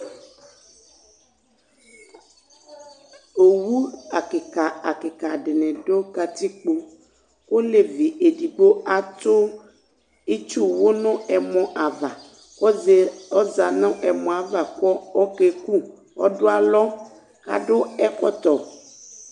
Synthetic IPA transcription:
o˨wu˦a˨ke˨ka˨a˨ke˨ka˨ɖe˨nɛ̃˨ɖo˦ka˨t̪i˦k͡po˦ | ko˦le˨vi˨ʔe˨ɖi˨ɡ͡bo˦a˨t̪o˦ | i˦t͡ʃu˦wo˦nɔ̃˦ɛ˨mɔ̃˦ʔa˨va˨ | wɔ˦ze˨ɔ˦za˨nã˦ʔɛ˨mɔ̃˨a˨va˨kɔ˦ɔ˦ke˨ku˦ | wɔ̰˦ɖo˦a˨lɔ˦ | ka̰˨ɖo˦ɛ˦kɔ˦t̪ɔ˨

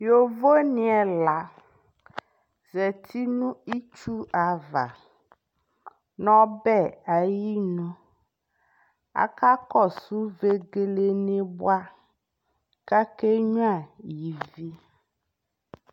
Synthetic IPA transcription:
jo˨vo˦nĩ˦ɛ˨la˨ | zɛ˨t̪ʰi˦nũ˦i˦t͡ʃu˦ʔa˨va̰˨ | nɔ̃˦bɛ˦˨a˨ji˦nũ˦ | a̰˨ka˦kɔ˦˨su˦ve˦ɡe˨le˦nẽ˦bwa˦ | ka˦ke˦ɲũ˦a˨ji˨vi˦

